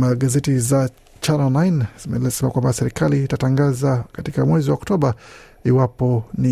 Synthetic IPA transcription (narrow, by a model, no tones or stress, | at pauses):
maɡazɛtiza | t͡ʃananajnmɛlsɛmakwambasɛɾikaliːtataŋɡazakatikamwɛziwaɔktɔɓa | iwapɔni